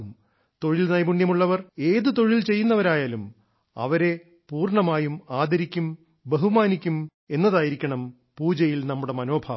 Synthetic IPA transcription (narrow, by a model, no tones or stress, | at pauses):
m | t̪o̞ɻilnɐjbuɳːjɐmuɭːɐʋɐre̞ːðɨt̪o̞ɻilt͡ɕe̞jːunːɐʋɐɾaːjaːlum | ɐ̰ʋɐɾe̞ | puːrɳɐmaːjumaːd̪ʱɐɾikʲːum | beɦumaːnikʲːum | e̞nːɐðaːjiɾikʲːɐɳɐm | puːd͡ʑɐjilnɐmːuɽe̞mɐno̞ːbʱaː